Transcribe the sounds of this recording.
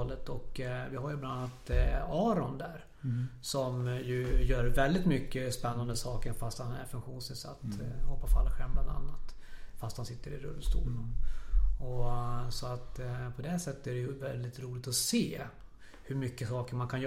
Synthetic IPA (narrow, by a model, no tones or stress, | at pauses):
lət̪ɔkvɪɦaɾjblannːat̪ɑːɾɔnd̪æɾ | sɔmjɵjœːɾvɛld̪ɪt̪mʏkːəspɛnːand̪əsɑːkəɾfast̪hanæ̰ɾfɵŋkɧuːnsɪnsa̰t̪ːhɔpːasfa̰lːəɧɛlmbland̪a̰nːat̪fast̪hansɪt̪ːəɾɪ̰ɾɵ̰lːst̪ṵːln | ɔsɔat̪pʰɔd̪ɛsɛt̪ːə̥æɾɛjɵvɛld̪ɪt̪ɾuːlɪɡ̚t̪ɔseː | hɵɾmʏkːəsɑːkəɾmankʰanjœ